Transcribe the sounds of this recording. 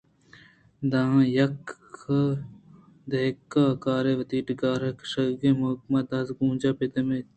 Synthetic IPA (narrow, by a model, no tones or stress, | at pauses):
d̪ãːjɐkː | d̪ɐkːaːkaːɾeʋɐt̪iːʈɡaːɾɐkʃɐɡemokmɐd̪ɐsɡũːd͡ʒaːpɪt̪ɐmeː